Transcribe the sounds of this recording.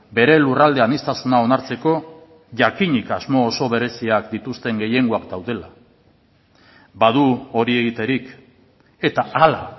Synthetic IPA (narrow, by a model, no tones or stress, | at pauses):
be̞ɾe̞lurald̪e̞anist̪asunao̞naɾt͡se̞ko̞ | ʝakiɲikazmo̞ːso̞βe̞ɾe̞siakd̪it̪ust̪e̞ŋɡe̞je̞ŋɡuakd̪awðe̞la | baðuo̞ɾie̞ɣ̞it̪e̞ɾik | e̞t̪aala